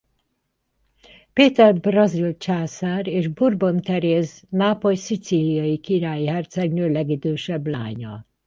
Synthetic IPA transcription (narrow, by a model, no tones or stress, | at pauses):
peːt̪ɛrbrɒzilt͡ʃaːsaːreːʒburbo̞nt̪ɛɾeːznaːpo̞lsit̪siːlijɒjikiɾaːjiɦɛrt̪sɛɡnøːlɛɡid̪øːʃɛbla̰ːɲɒ̰